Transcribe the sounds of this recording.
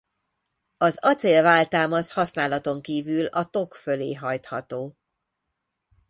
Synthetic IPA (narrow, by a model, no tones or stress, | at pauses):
ɒzɒt̪seːlvaːlt̪aːmɒshɒsnaːlɒt̪o̞ŋkiːvylɒt̪o̞kfø̞lḛːɦɒjt̪hɒt̪oː